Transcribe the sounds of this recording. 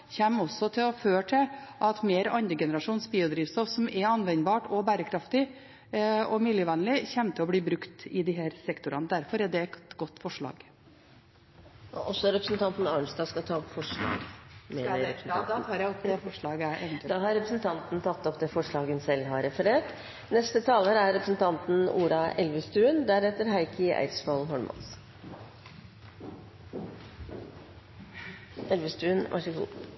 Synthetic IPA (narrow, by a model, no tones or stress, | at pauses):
çɛmːɔsːɔt̪ʰɪlɔføːʈʰɪlʔɑt̪meːɾɑnd̪ɾəɡɛnəɾɑʂuːnsbiːʊd̪ɾiːʋst̪ɔfsɔmɛɑnʋɛnbɑːʈɔbæːɾəkʰɾɑft̪ɪ | ɔmɪljəʋɛnlɪçɛmt̪ʰɪɔbliːbɾʉkt̪ɪd̪ɪɦæːɾsɛkt̪ʊɾɑ̰nəd̪æɾfɔɾɛd̪ɛt̪ɡɔt̪ːfɔʂɭɑ̰ːɡ | ʔɔsːɔɾɛpɾəsnt̪ɑnt̪nɑɳsd̪ɑːskɑt̪ʰɑːɔpfɔʂɭɑ̰ːɡmɛd̪æɾɾɛpɾsn̩ɑɑːɾjæɪɔpd̪ɛfɔʂɭɑːɡəæɾɛd̪ɑːɦɑɾɾɛpɾəsn̩t̪ʰɑnt̪nt̪ʰɑt̪ːɔpd̪ɛfɔʂɭɑːɡənsɛlːɦɑɾɾɛfəɾeːʈ | nɛst̪ət̪ʰɑːləɾæɾɾɛpɾəsnt̪ʰɑnt̪n̩uːɾɑʔɛlʋəst̪ʉːənd̪æɾɛt̪ːəɾɦæɪkʰəʔæ̰ɪt̪sfɑlɦɔlmʔɑ̰ns | ɛlʋəst̪ʉːnʋʔɑ̰ʂəɡṵː